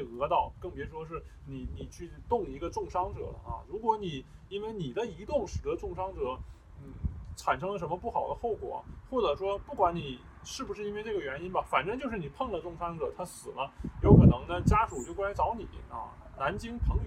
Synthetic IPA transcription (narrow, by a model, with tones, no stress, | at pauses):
ɤ˧˥t̪ɑ˥˩ʊkɤ˥˩ŋpjɛ˧˥ʂwɔ˥ʂ̬ɻ̩˥˩ | ni˨˩ni˨˩t͡ɕʰy˥˧t̪ʊ˥˩ŋi˧˥ɡə˧ʈ͡ʂʊ˥˩ŋʂɑ˥ŋʈ͡ʂɤ̰˨˩lə̰˦ɐ̰˧ɻu˧˥kwɔ˧˥ni˨˩˦i˥nwe˥˧ɪni˨˩d̪ə˦i˧˥t̪ʊ˥˩ŋʂɻ̩˨˩d̪ə˧˦˥ʈ͡ʂʊ˥˩ŋʂɑ˥ŋʈ͡ʂɤ˨˩˦ | n̩˥˩ʈ͡ʂʰa˨˩nʂ̬ɤ˥ŋlə˨˧ʂ̬ə˧˥mə˧pu˥˩xɑ˨˩ʊd̪ə˦xo˥˩ʊkwɔ̰˨˩˦xwɔ˥˩ʈ͡ʂɤ˨˩ʂwɔ˥pu˥˩kwa˧˥nni˨˩ | ʂɻ̩˥˩bu˩ʂɻ̩˥˩˧i˥nwe˥˧ɪʈ͡ʂɤ˥˩ɡə˩ɥɛ˧˥ni˥nbɐ˨fa˨˩nʈ͡ʂɤ˥ŋt͡ɕjo˥˧ʊʂɻ̩˥˩i˨˩pʰɤ˥˧ŋlə˨˩ʈ͡ʂʊ˥˩ŋʂɑ˥ŋʈ͡ʂɤ̰˨˩˦t̪ʰa˥sɹ̩˨˩lə˦jo˧˥ʊkʰɤ˨˩nɤ˧˥ŋd̪ə˧t͡ɕja˥ʈ͡ʂu˨˩t͡ɕjo˥˩ʊkwa˥ny˧˥t͡sɑ˧˥ʊni˨˩˦ɐ̰˧˩na˧˥nt͡ɕi˥ŋpʰɤ˧˥ŋ